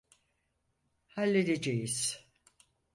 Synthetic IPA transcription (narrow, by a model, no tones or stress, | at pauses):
halʲːed̪ed͡ʒejiz̥